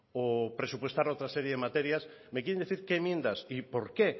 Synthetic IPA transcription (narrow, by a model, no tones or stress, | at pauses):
opɾesupwost̪aɾowt̪ɾaseɾjeðemat̪eɾjas | mek̬jeɾend̪iθiɾkemjẽnd̪asipoɾke